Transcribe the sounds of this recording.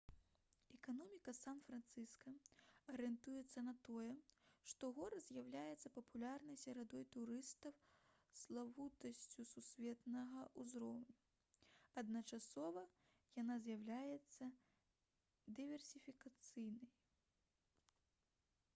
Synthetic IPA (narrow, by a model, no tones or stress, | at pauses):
ɛkanɔmʲikɐsanfɾant̪sɨskɐɐɾɛnt̪ujɛt̪sːɐnɐt̪ɔjɛʂt̪ɔɣɔɾzʲjawlʲajɛt̪sːɐpɐpulʲarnɐjsʲɐɾad̪ɔjt̪uɾɨst̪ɐw | slˠavut̪ɐsʲt͡sʲususʲvʲɛt̪nɐɣɐʔuzɾɔwnʲu | ɐd̪nɐt͡ʂasɔvɐ | janazʲjawlʲajɛt̪sːɐ | d̪ɨvʲɛrsʲifʲikat̪sɨjnɐj